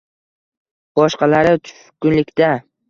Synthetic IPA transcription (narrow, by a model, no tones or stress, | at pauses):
b̥ɒʃqɑlaɾɪt̪ʰʊ̥fkʊnlɪkʲt̪a